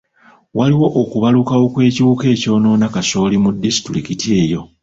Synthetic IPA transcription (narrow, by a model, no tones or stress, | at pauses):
waliwo̞ʔokuβalukawo̞kwe̞ːciβuːke̞ːco̞ːno̞ːnakaso̞ːlimudːisi̥tɾikitie̞ːjo̞